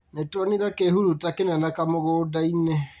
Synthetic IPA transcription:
netwɔniðakeɦuɾutakenanakamoɣoːdaine

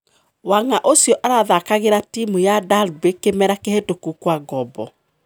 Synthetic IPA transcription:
waŋaʔosjɔʔaɾaðakaɣeɾatimujadalbekemɛɾakeɦetokukwaɡɔbɔ

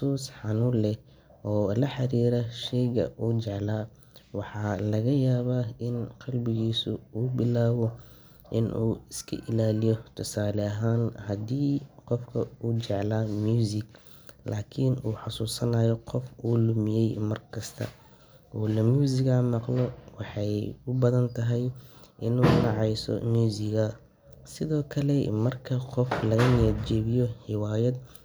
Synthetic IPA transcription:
suːsħɑnuːlɛ | ʔɔːlɐħɑɾiːɾɐʃɛjɣɐ̰ʔuːt͡ʃɛʕlaː | wɑħɑːlɐɣɐjaːβaːɪnqɑlbɪɣiːsʊuːbɪlaːwɔ | ʔɪ̰nʔuːɪskʰɐ̰ʔɪlaːlɪjɔt̪ʰʊsaːlɛɐɦaːnhɐd̪iːqɔfkʰɐuːt͡ʃɛʕlaːmjuːzɪɡ | lʔaːkʰɪnuːħɑsuːsɐnaːjɔqɔfuːlʊmɪjɛjmɐrkʰɐst̪ʰɐ̰ | ʔuːlɐmjuːzɪɣamɑqlɔwɑħɑjʊbɐðɐnt̪ʰɐɦɛjʔɪnuːnɑʕɑjsɔ̰mjuːzɪɣɐ | sɪðɔːkʰɐlɛmɐrkʰɐqɔflɐɣɐnɪjɛd͡ʒɛːβɪjɔħɪwaːjɐd̪

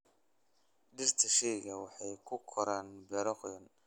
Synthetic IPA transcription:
ɖɪrt̪ʰɐʃɛjɣɐwɑħɑjkʰʊkʰɔɾaːnbɛɾɔqjɔn

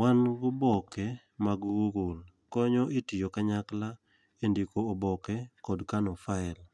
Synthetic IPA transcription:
wanɡʊbɔkɛ | maɡɡuɡul | kɔɲɔɪtijokaɲakla | endikoːbɔkɛkɔdkanɔfaɛl

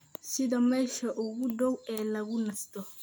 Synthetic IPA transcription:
sɪðɐmɛːʃɐʔʊɣʊd̪ɔwɛːlɐɣʊnɐst̪ɔ

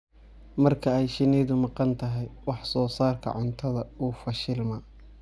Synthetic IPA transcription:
mɐrkʰɐɛjʃɪnɛːðʊmɑqɑnt̪ʰɐɦɛjwɑħsɔːsaːrkʰɐ̰ʕʊnt̪ʰɐðɐuːfɐʃɪlmɐ

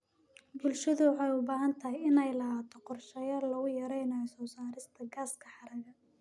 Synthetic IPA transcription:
bʊlʃɐðʊwħɛjʊbaːɦɐnt̪ʰɐɦɪjɪnɛjlɐɦaːt̪ʰɔqɔrʃɐjɐlɐɣʊjɐɾɛjnɐjɔsɔːsaːɾɪst̪ʰɐɡaːskʰɐħɑɾɐɣɐ

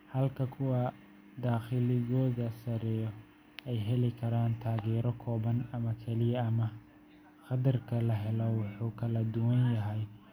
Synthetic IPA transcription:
hɐlkʰɐkʰʊwɑ | d̪aːxɪlɪɣɔːðɐsɐɾɛːjɔ | ɛjɦɛlɪkʰɐɾaːnt̪ʰaːɣɛːɾɔkʰɔːβɐnɐmɐkʰɛlɪjɐɐmɐ | χɑdɐrkʰɐlɐɦɛlɔwʊħuːkʰɐlɐd̪ʊwɐnjɐɦɛj

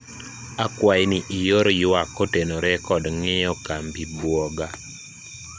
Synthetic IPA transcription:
akwajnɪʔɪjoɾjʊwakːotenoɾɛkɔdŋɪjɔkambibwɔɡa

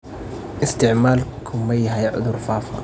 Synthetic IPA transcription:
ʔɪst̪ɪʕmaːlkʰʊmːajːɦajaʕʊd̪uɾfaːfa̰

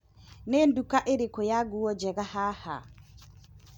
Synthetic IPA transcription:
nɛndukaʔeɾikɔjaɡuwɔd͡ʒɛɡahaha̰

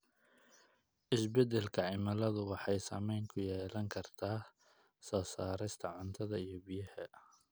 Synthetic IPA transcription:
ʔɪsbɛd̪ɛlkʰɐʕɪmɐlɐðʊwɑħɑjsɐmɛjŋkʰʊjɛːlɐŋkʰɐrt̪ʰaː | sɔːsaːɾɪst̪ʰɐʕʊnt̪ʰɐðɐijɞbijɐhɛ

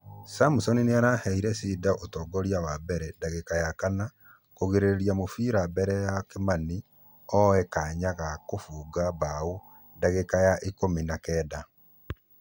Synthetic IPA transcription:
samusɔnineaɾahɛiɾɛsiːdaʔotɔːɡɔɾjawabɛɾɛdaɣekajakana | koɣeɾeɾeɾjamofiɾabɛɾɛjakemani | ɔɛkaɲaɣakofuːɡabao | daɣekajaʔikominakɛːda

